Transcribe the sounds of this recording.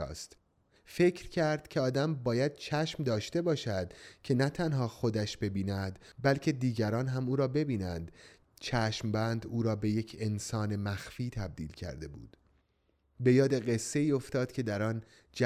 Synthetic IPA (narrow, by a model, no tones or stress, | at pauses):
st̪ | fe̞cʰɾcʰæɾd̪̥cʰe̞ɒːd̪æmbɒːjæd̪̥̚t͡ʃʰæʃmd̪ɒːʃt̪e̞bɒːʃæd̪̥cʰe̞næt̪ʰænɦɒːxod̪æʃbe̞biːnæd̪ | bælcʰe̞d̪iːɟæɾɒːnɦæmuːɾɒːbe̞biːnænd̪ | t͡ʃʰæːʃmbænd̪uːɾɒːbe̞je̞cʰe̞nsɒːne̞mæxfiːt̪ʰæb̚d̪ḭːlcʰæ̰ɾd̪e̞bṵːd̪̥ | be̞jɒːd̪e̞ɢe̞sːe̞iːo̞ft̪ɒːd̪̥cʰe̞d̪æɾɒːn | d͡ʒæ